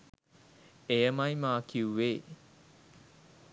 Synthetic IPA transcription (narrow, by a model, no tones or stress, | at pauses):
eəmɐjmaːkʰuːweː